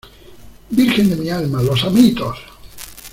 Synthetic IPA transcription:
biɾxend̪emialmalosamit̪os

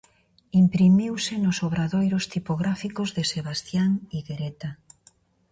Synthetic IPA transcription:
impɾimiwsɪnʊsoβɾaðojɾʊst̪ipoɣɾafikozðeseβ̞ast̪jaŋiɣeɾet̪a

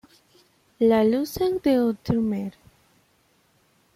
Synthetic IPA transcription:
laluseŋd̪eot̪ɾumeɾ

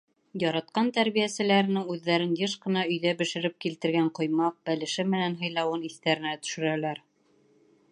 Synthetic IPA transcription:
jɑɾɑt̪̚qɑnt̪æɾβijæsɘ̆læɾɘ̆nɘŋʉðːæɾɘnjɤʃqɤ̆nɑɵ̆jðæbɘ̆ʃɘ̆ɾɘp̚kilt̪ɘ̆ɾɡæɴqŏjmɑq̚b̥ælɘ̆ʃɘmɘ̆nænɦɤ̆jlˠɑwɤniθt̪æɾɘ̆næt̪ɵ̥̆ʃɘ̆ɾælæɾ

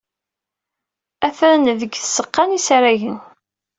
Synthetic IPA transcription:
æθɾnðəɡθə̥sːəqːɑnisɾæʝən

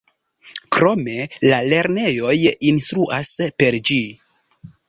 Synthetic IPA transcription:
kɾo̞me̞lale̞ɾne̞jo̞jinstɾuʔaspe̞ɾd͡ʒi

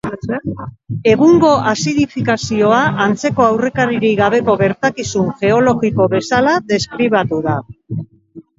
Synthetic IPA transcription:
e̞ɣuŋɡo̞asiðifikasio̞aʔant͡se̞ko̞awre̞kaɾiɾiɣaβ̞e̞ko̞ɣe̞ɾt̪akisuŋʝe̞o̞lo̞ɣiko̞βe̞salaðe̞skɾiβ̞at̪uða

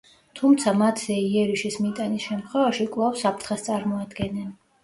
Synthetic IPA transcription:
t̪ʰumt̪sʰamat̪ʰzɛiɛɾiʃismit̪ʼanisʃɛmt̪ʰχwɛvaʃikʼlˠafsapʰɾt̪χɛst̪sʼaɾmɔad̪ɡɛnːɛn

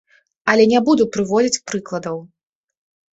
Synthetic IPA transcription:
ɐlʲɛnʲabud̪upɾɨvɔd͡zʲit͡sʲpɾɨklˠɐd̪ɐw

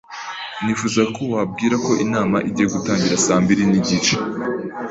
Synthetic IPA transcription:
nifuzakowab̚ɡiːɾako̞ʔinaːmaʔiɟiːjeɡutaːɲɟiɾasaːmbiɾiniɟit͡ʃe̥

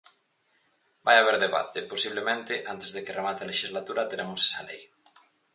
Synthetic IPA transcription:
bajaβ̞eɾðeβa̰t̪eposiβ̞lemẽnt̪ɪʔant̪ezðekeremat̪ealeʃizlat̪uɾat̪eɾemose̥salḛj

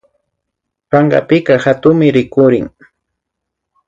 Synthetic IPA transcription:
paɴɢɑ̰pɪkahat̪ʊmɪɾɪkʊɾɪŋ

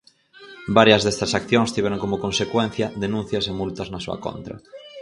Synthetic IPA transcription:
baɾjɐzðɛst̪ɐsakθjoŋst̪iβɛɾoŋkomʊkõnsekwen̟θjɐðenũn̟θjɐsemult̪ɐznɐsuɐ̰ko̰nt̪ɾɐ̰

